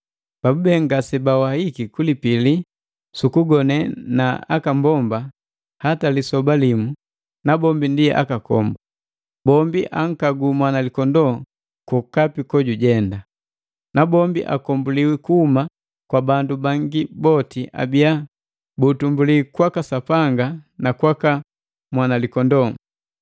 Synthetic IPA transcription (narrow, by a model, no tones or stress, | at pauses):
b̥abubɛŋɡasɛbawahikikulipili | sukuɡɔnɛnaa̰kambɔmba | hatalisɔbalimu | nabɔmbindiɛ̰ʔa̰kakɔ̰mba | bɔmbiʔaŋ̩kaɡumwanalikɔndɔ | kɔkapikɔɟuɟɛnda | nabɔmbiʔa̰kɔmbuliwikuhuma | kwabandubaŋɡibɔtiʔa̰bia | butumbulikwakasapaŋɡanakwaka | mwanalikɔndɔ